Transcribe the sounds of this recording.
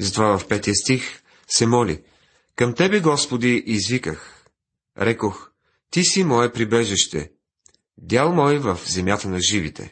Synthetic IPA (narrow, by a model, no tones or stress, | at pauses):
zɐt̪ovavɐfpɛt̪ijəst̪ix | sɛmɔlḭ | kɐmt̪ɛbɛɡɔspod̪iʔizvikəx | ɾɛkox | t̪isimɔɛpɾibɛʒɛʃt̪ɛ̰ | d̪ʲalˠmɔjvɐfzɛmjat̪ənɐʒivit̪ɛ̰